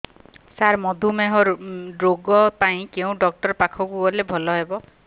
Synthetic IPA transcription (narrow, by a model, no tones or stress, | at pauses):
saɾmɔd̪ʱumeɦɔɾɖɾoɡɔpaĩkeũɖɔk̚ʈɔɾpakʰɔkuɔlebʱɔlɔɦebɔ